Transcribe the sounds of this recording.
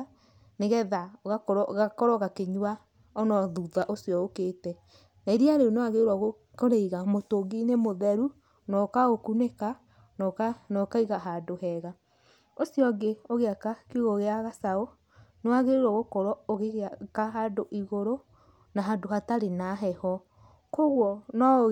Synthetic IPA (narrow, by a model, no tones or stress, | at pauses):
neɣɛðaɣakɔɾɔɣakɔɾɔɣakeɲwa | ɔnɔðuðaʔosijɔokeːtɛ | naiɾiaɾeonewaɣeoɾwaɣo | koɾeiɣamotoɡinemoðɛɾu | nɔkaɣokuneka | nɔkanɔkaiɣaɦadoɦɛɣa | osjɔɡeoɣeakakioɣoɣeaɣasao | newaɣeoɾwɔɣokɔɾɔoɣeɣakaɦadoʔiɣoɾo | naɦadohataɾenaɦɛhɔ | koɣwɔnɔ